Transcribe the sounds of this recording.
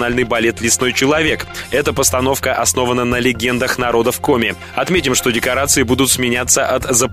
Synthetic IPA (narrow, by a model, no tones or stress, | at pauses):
nalʲnɨjbɐlʲe̞t̪lʲɪsno̞jt͡ɕɪlˠɐvʲe̞kɛt̪əpəst̪ɐn̪o̞fkəʔɐsno̞vənənəlʲɪɡʲend̪əxnɐɾo̞d̪əfko̞mʲɪ | ɐt̪mʲetʲɪmʂt̪o̞dʲɪkɐɾat̪sɨɪbud̪ʊt̪smʲɪnʲat̪sːəʔɐt̪zəp